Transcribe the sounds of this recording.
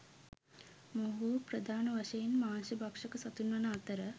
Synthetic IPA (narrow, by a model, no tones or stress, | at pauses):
moɦupɾɐd̪ʱaːnɐʋɐʃɐjinmaːnʃɐbʱɐkʂɐkɐsɐt̪unʋɐnɐat̪əɾə